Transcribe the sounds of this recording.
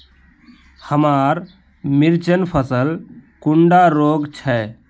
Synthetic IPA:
həmaːɾ | mɪɾt͡ʃənpʰəsəlkʊɳɖaɾoːɡt͡ʃʰɛ

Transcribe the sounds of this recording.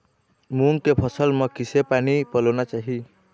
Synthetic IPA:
muŋkepʰɔsɔlmɔkisepanipɔlɔnat͡ʃaɦi

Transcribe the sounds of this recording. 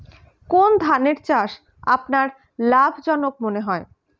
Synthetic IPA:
kond̪ʱaneɾt͡ɕaʃ | a̰pnaɾ | labʱd͡ʑɔnok̚moneɦɔe

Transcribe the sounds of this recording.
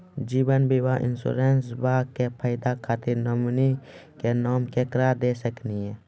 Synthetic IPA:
d͡ʒiːbənbiwaʔɪ̰nsṵɾeːnsbaːkepʰəɪd̪akʰaːt̪iɾnəmnikenɔːmkekɾaːɾd̪esəkniɦɛː

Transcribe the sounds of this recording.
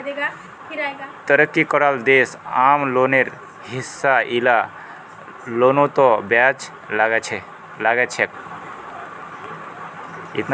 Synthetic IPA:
eɡa | kiɾaɡat̪əɾəkːikɔɾald̪esamloneɾ | ɦisːaʔila | lonot̪ɔbjat͡ʃ | laɡet͡ʃʰe | laɡɛt͡ʃʰek | ḭt̪n

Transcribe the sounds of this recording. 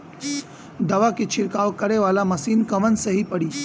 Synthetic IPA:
d̪ɐʋakit͡ʃʰɪɾkaːwkɐɾeʋaːlamɐsiːnkɐʋənseɦipɐɽiː

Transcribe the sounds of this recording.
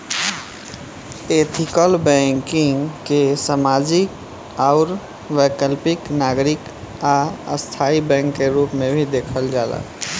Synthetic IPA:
et̪ʰikəlbɛ̃ŋkɪŋkesamad͡ʒɪk | aʊɾ | wəkəlpɪknaɡɾɪk | aə̰st̪ʰaibɛ̃ːŋkːeɾuːpmẽbʱid̪ekʰəld͡ʒaːla̰

